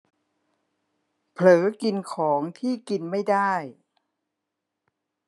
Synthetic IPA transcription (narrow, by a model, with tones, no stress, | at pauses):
pʰlɤː˩˦ki˧nkʰɔː˩˦ŋt̪ʰiː˥˩ki˧nma˥˩jdaː˥˩j